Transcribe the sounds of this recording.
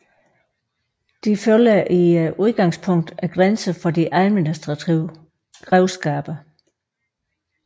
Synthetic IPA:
d̥iføljɐʔiʔuðˠɡ̥ɑ̈ŋspʰɔ̽ŋ̰d̥æɡ̥ʁansəfɒ̽diʔæðˠminisd̥ʁɑiʊ | ɡ̥ʁɛʊsɡ̥ɛːb̥ɐ

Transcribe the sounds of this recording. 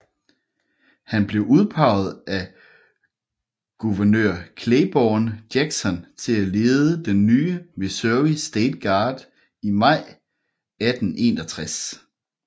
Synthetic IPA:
hænb̥le̝ʊʔuð̞ˠpʰɑ̈ʊð̞̩ˠæ | ɡ̥uʋɐnøɐ̰kʰleɪb̥ɒːnd̥jeɡ̥sɒ̽nt͡sʰe̝læle̝ːð̞ˠəd̥enːyːəmisøɐʋisd̥eːd̥̚ɡ̥ɑ̈ːd̥ | imɑ̈ɪ̰ | æd̥n̩ʔe̝ːnɒt͡sʰʁas

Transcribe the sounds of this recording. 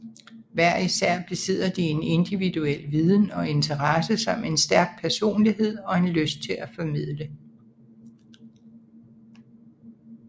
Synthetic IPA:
ʋæɐ̰isæɐ̰b̥lise̝ð̰ˠɐd̥ie̝ne̝nd̥iʋiduel̰ʋiːð̞ˠn̩ɒ̽e̝nt͡sʰɐʁɑsəsɑm̰e̝nsd̥æɐɡ̥̚pʰæɐso̝̰ːnliɦe̝ð̞̰ˠɒ̽e̝nløsd̥̚t͡sʰe̝læfɒ̽mið̰ˠlə

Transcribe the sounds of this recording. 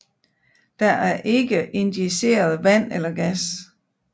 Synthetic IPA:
d̥ɑʔæɐʔe̝ɡ̥əʔe̝nd̥ise̝̰ːɐð̞ˠʋæn̰elɐɡ̥æs

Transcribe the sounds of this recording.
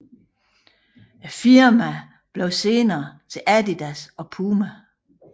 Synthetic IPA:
æfiɐmæ | b̥leʊse̝ːnɐːt͡sʰe̝lʔæd̥id̥æsɒ̽pʰuːmæ

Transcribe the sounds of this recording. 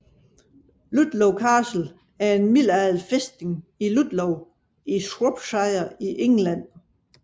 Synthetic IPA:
lud̥loʊkʰɑːsl̩ | æɐe̝nmil̰æð̩ˠfesd̥e̝ŋilud̥loʊ | isʁɔb̥sɑ̈ɪɐiʔeŋlæn̰

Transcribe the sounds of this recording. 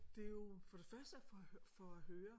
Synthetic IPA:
d̥e̝jo̝fɒ̽d̥e̝fɶɐsd̥əfɒfɒæɦøːɐ

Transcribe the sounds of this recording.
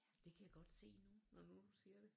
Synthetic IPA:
d̥e̝kʰæjaɡ̥ɒ̽d̥se̝̰ːnunɒnud̥usiɐd̥e̝

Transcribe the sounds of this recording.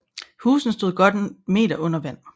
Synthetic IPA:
huːsn̩sd̥o̝ð̞̰ˠɡ̥ɒ̽d̥me̝̰ːd̥ɐʔɔ̽n̰ɐʋæn̰

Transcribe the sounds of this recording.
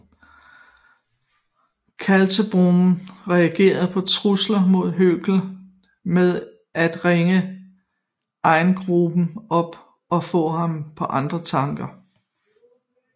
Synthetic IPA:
kʰælsəb̥ʁomn̩ʁɛæɡ̥e̝̰ːɐð̞̩ˠpʰɒ̽t͡sʰʁuslɐmo̝ð̞̰ˠɦøɡ̥l̩ | meðˠ | æd̥ʁeŋə | ʔɑ̈ɪnɡ̥ʁub̥n̩ɒ̽b̥ | ɒ̽fɔ̰̽ːɦɑ̈mpʰɒ̽ʔɑ̈nd̥ʁɐt͡sʰɑ̈ŋɡ̥ɐ

